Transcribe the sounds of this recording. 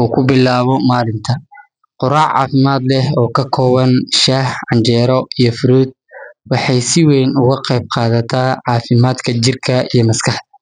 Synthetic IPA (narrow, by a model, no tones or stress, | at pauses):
uːkʰʊbɪlaːβɔmaːlɪnt̪ʰɐ | qʊɾaːʕɑ̰ːfɪmaːd̪lɛhɔːkʰɐkʰɔːβɐnʃaːhʕɑnd͡ʒɛːɾɔijɔfʊɾuːd̪̚wɑħɑjsɪwɛjnʊɣɐqɛjb̚qɑːðɐt̪ʰaːʕɑːfɪmaːd̪kʰɐt͡ʃɪrkʰɐijɞmɐskʰɑħd̪ɐ